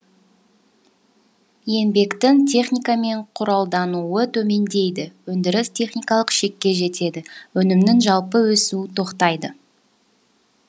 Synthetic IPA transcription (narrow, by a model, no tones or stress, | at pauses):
je̞mbe̞kt̪ɪŋt̪ʲʰe̞χnijkame̞ɴqʰʊɾɑlˠd̪ɑnuət̪ʰɵme̞nd̪e̞jd̪ɪwɵnd̪ɪɾɪst̪ʰʲe̞χnʲijkɑlˠəqʃe̞kʲːe̞ʒe̞t̪e̞d̪ɪwɵnɪmnɪŋʒɑlˠpəwɵsut̪ʰo̞qt̪ɑjd̪ə